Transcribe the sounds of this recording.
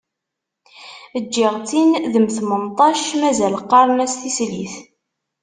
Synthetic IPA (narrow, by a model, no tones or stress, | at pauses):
əd͡ʒːiʁt͡sinðəmθəmənt̪ˤɑʃmæzæləqːɑɾˤnæsθisliθ